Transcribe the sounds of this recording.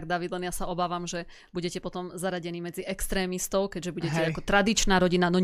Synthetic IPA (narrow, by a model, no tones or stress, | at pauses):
ɡ̚d̪aʋid̪lɛnjasaɔbaːʋamʒɛ | buɟɛcɛpɔt̪ɔmzaɾaɟɛniːmɛd͡ziɛkst̪ɾɛːmist̪ɔʊkɛɟʒɛbuɟɛcɛakɔt̪ɾad̪it͡ʃnaːɾɔɟinanɔɲ